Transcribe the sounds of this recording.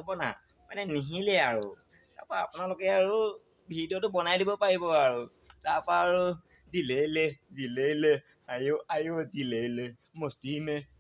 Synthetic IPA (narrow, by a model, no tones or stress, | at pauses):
bɔna̰ | manɛniɦilɛaɹʊ | ta̰ɹpaapʊnalokɛaɹʊ | bʱidɔtʊbɔnajdibɔpaɹibɔaɹʊ | tapaːɹʊ | zilelɛzilelɛ | ajoajozilelɛ | mɔstimɛ